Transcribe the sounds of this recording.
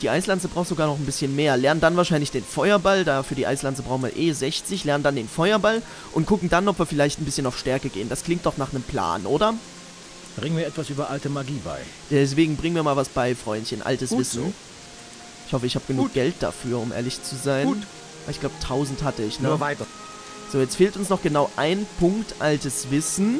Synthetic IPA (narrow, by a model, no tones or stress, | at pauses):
d̥iːʔaɪslant͡səbʁaʊxtz̥oɡaːɐnɔχn̩bɪsçənmeːɐlɛɐnəndanvaːɐʃaɪnlɪçd̥eːnfɔʏɐbaldafyːɐdiːʔa̰ɪslant͡səbʁaʊxnviːɐʔeːzɛçt͡sɪçlɛɐnəndandeːnfɔʏɐbal | ʔʊnt̚kʰʊkŋ̩danɔpv̥iːɐfɪlaɪçtn̩bɪsçənaʊfʃtɛɐkəɡḛːənd̥askl̥ɪŋktd̥ɔχnaːχnəmpl̥a̰ːnʔoːdɐ | b̥ʁɪŋənviːɐʔɛtv̥asʔyːbɐʔaltəmaɡiːba̰ɪ | d̥ɛs̬v̥eːɡŋ̩bʁɪŋənviːɐmaːlvasb̥aɪfʁ̥ɔʏnçənʔa̰ltəsv̥ɪsn̩ | ʔɪçhɔfəɪçhaːbəɡ̥ənuːk̚ɡ̥ɛlt̚d̥a̰fyːɐʊmʔḛːɐlɪçt͡suzaɪ | aɪçɡ̥laʊbətʰaʊzn̩thatəɪçnəvaɪt | z̥oːjɛt͡stfeːltʊnsnɔχɡ̥ənaʊʔaɪnpʰʊŋktʔaltəsv̥ɪsn̩